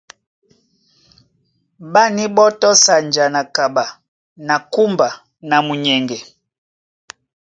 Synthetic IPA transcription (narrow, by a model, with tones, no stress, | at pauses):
ba˦ni˦bɔ˦tɔ˦sa˨nd͡ʒa˨na˨ka˨ba˨ | na˨ku˦mba˨ | na˨mu˨ɲɛ˨ŋɡɛ˨